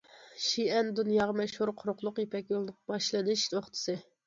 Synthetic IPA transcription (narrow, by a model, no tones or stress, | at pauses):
ʃiɛnd̪unjɑːʁɑmɛʃhuɾqʰʊɾʊqlˠʊqjepɛkʲjolˠd̪ɨq̚bɑʃlˠɨnɨʃt̪ʰoχt̪ʰɨ̥sɨ